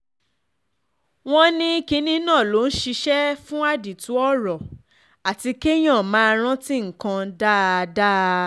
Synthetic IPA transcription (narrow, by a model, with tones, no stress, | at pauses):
w̃ɔ̃˦nĩ˦ki˧˦nĩ˦nãː˦˨lo˨˦n̩˦ʃi˧ʃɛ˦fũ˦a˦˨di˨tu˨˦ɔ˦ɾɔ˨ | a˨ti˧ke˦j̃ã˦˨mãː˨˦˧ɾ̃ã˦ti˦ŋ̩˨kã˧da˦˧da˦